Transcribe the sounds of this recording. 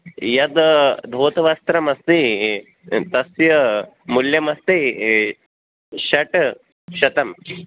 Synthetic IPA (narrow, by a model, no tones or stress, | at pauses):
jɐd̪d̪ʱʋoːt̪ʋast̪ɾɐmɐst̪i | t̪ɐsjɐ | muljɐmɐst̪i | ɕɐʈ | ɕɐt̪ɐm